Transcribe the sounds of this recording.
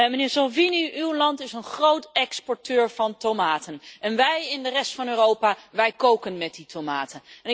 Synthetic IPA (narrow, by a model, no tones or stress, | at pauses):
mənɪːɹsɑlˠviniʔywlɑntɪsənχrowtɛkspɔɹtøːɹv̥ɑntomaːtənɛnʋɛjɪndərɛstfɑnøːrowpaːʋɛjkowkənmɛt̚ditomaːtənɛnɪ